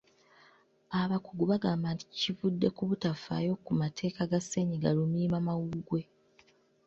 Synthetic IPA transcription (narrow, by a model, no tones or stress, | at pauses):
aβakuɡuβaɡaːmbaːnti̥civudːe̞kuβutafa̰ːjo̞kumatʰe̞ːkaɡase̞ɲiɡalumiːmamawuɡwe̞